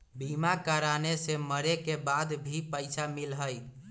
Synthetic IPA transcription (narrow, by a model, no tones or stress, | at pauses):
bimakaɾaneseməɾekebad̪bʱipəɪsamilɦəj